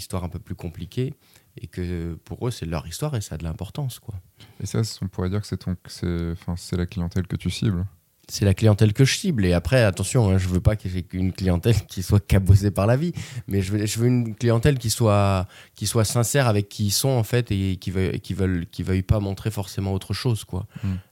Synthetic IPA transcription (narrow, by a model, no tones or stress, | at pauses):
ist̪waʁɛ̃pøplykɔ̃plikʲʰe | ekəpuʁøsɛlœ̰ʁist̪waʁesaːd̪əlɛ̃pɔʁt̪ɑ̃skwaesa̰sɔ̃puʁɛd̪iʁkə̥sɛt̪ɔ̃ksɛɑ̃fɛ̃sɛlaklijɑ̃t̪ɛlkət̪ysibl | sɛlaklijɑ̃t̪ɛlkəʒəsibleapχɛat̪ɑ̃sjɔ̃ɛ̃ʒəvøpakəʒɛynklijɑ̃t̪ɛlkʲʰiswakabozepaʁlavimɛʒəvʒəvøynklijɑ̃t̪ɛlkʲiswakʲiswasɛ̃sɛʁavɛkʲʰːiːlsɔ̃ɑ̃fɛt̪ekʲivœḛkʲivœlkʲivœjpamɔ̃t̪χefɔʁsemɑ̃ot̪χəʃozkwa̰